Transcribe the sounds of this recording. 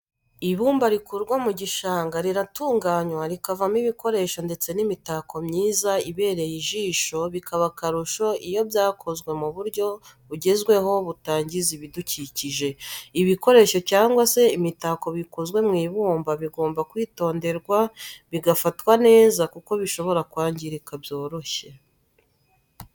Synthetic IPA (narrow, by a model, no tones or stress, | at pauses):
iβuːmbaɾikuɾɡwomuɟiʃaːŋɡaɾiɾatuːŋɡaɲwaɾikavamiβiko̞ɾe̞ʃo̞nde̞t͡se̞nimitakʰo̞mɲiːzaiβe̞ːɾe̞jiʒiːʃo̞βikʰaβakaɾuʃo̞ijo̞bjaːkʰo̞zɡwe̞muβuɾɟo̞βuɟe̞zɡwe̞ho̞βutaːɲɟiziβiduciciʒe̞iβiko̞ɾe̞ːʃo̞caːŋɡwase̞imitako̞βikuzwe̞mŋiːβuːmbaβiɡo̞ːmbakwiːto̞ːnde̞ɾɡwaβiɡafatwane̞ːzakuko̞βiʃo̞βo̞ɾakwaːɲɟiɾikabjo̞ːɾo̞çe̞